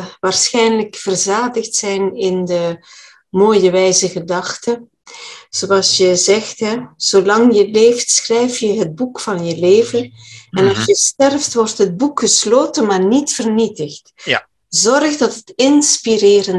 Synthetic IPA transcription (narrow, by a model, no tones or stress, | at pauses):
ʋaːrsxɛjnləkfərzaːdəxtsɛjnɪndə | moːjəʋɛjzəɣədɑxtə | z̥oɑlˠsjəzɛxtɦɛz̥olɑŋjəleːftsxrɛjfjəɦət̚bukfɑnjəleːvənɛnɑsjəstɛrftʋɔrtɦət̚bukxəsloːtənmaːrnitfərnitəxt | zɔrxdɑtətɪnspirɪːrən